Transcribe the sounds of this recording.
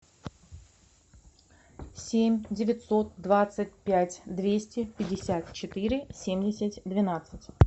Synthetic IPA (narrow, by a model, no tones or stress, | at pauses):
sʲemʲdʲɪvʲɪt̪so̞t̪̚d̪vat̪sɨt̚ʲpʲætʲd̪vʲesʲtʲɪpʲɪdʲɪsʲat̪̚t͡ɕɪt̪ɨɾʲɪsʲemʲdʲɪsʲɪtʲd̪vʲɪnat̪sɨtʲ